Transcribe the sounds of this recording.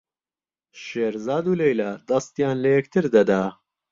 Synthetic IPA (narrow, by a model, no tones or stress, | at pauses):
ʃeːɾzaːd̪uːlejlaːd̪ɐst̪jaːnlɐjɛkt̪ʰɨɾd̪ɐd̪aː